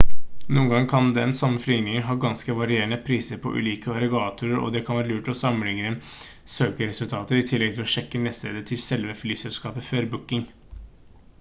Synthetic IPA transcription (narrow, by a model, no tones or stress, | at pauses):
nuːənɡɑŋkʰɑnd̪ɛnsɑmːəflʏŋnɪŋəɾɦɑːɡɑnskəʋɑɾɪeːəɳəpʰɾiːsəɾpʰɔ̰ʔʉ̰ːliːkəɑɾɛɡɑːt̪ʰʊɾəɾɔ̰d̪ɛkʰɑnʋæːɾəlʉːʈɔsɑmənlɪŋəə | søːkəɾɛsʉlt̪ʰɑːt̪əɾɪt̪ʰɪlːɛɡ̚t̪ʰɪlɔʂɛkːənɛːst̪eːd̪ət̪ʰɪlsɛlʋəflyːsɛlskɑːpəføːɾbʊkːɪŋ